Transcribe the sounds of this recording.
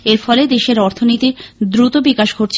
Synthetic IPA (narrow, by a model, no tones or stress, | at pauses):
eɾfɔled̪eʃeɾɔɾt̪ʰonit̪iɾd̪ɾut̪obikaʃɡʱoɾt͡ɕʰ